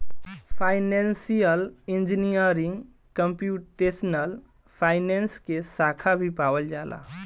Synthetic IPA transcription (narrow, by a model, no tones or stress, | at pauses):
pʰaɪnensijəlind͡ʒinijəɾĩŋɡ | kəmpjuʈesnəl | pʰaɪnenskesakʰabʱipawəld͡ʒala̰